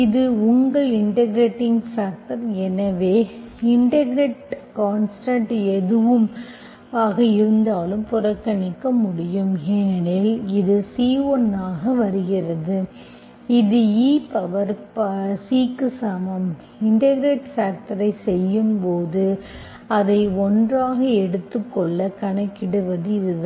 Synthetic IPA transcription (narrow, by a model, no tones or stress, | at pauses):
ɪðɯʊŋɡɐɪɳʈɐɡɾeːʈːɪŋɡfaːk̚ʈɐɾɛnɐʋeːɪɳʈɐɡɾeːʈkaːnsʈɐɳʈɛðɯʋɯm | aːɣɐɪɾɾɯnd̪aːlɯmpʊɾɐkːɐɳɪkːɐmʊɽɪjɯmeːɳɪlɪðɯsiːʋɔnːaːɣɐʋɐɾɯɣɪrɐðɯ | ɪðɯiːpɐʋɐɾpɐsiːkːɯsɐmɐm | ɪɳʈɐɣɪɾeʈfaːk̚ʈɐɾɐɪsɛjːɯmpoːðɯ | ɐðɐɪɔndraːɣɐɛɽɯt̪ːɯkːɔɭːɐkɐɳɐkːɪɽɯʋɐðɯɪðɯð